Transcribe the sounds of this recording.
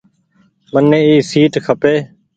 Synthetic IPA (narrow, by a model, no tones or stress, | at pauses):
mənːeːiːsiːʈkʰəpeː